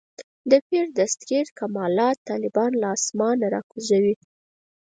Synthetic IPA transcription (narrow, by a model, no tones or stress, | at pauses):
d̪əpeɾd̪ast̪ɾeɾkamɑlɑt̪ːɑlɪbɑnlaɑsmɑnaɾɑ̰kuzawi